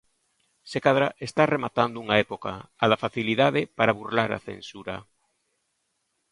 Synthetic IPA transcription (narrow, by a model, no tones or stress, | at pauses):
sekaðɾaʔest̪aremat̪and̪ouŋaɛpokaaðafaθiliðaðepaɾaβurlaɾa̰θḛnsuɾa